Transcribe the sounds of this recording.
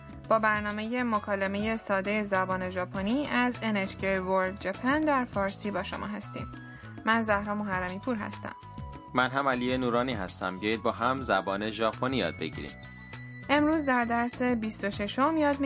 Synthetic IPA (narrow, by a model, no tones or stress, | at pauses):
b̥ɒːbæɾnɒːme̞je̞mokʰɒːleme̞jesɒːd̪ejezæbɒːne̞ʒɒːpʰoniːʔæzenet͡ʃcʰevoɾd̪d͡ʒepʰænd̪æɾfɒːɾsiːbɒːʃo̞̰mʔɒ̰ːɦæst̪ḭːmː | ænzæhɾɒːmoɦæɾːæmiːpʰuːɾɦæ̰st̪æ̰m | mænɦæmælijenuːɾɒːniːɦæst̪æmbjɒːjid̪̚bɒːɦæmzæbɒːne̞ʒɒːpʰonijɒ̰ːd̪̥̚beɟḭːɾḭm | ʔe̞mɾuːzd̪æɾd̪æɾse̞bist̪o̞ʃe̞ʃo̞mjɒːd̪m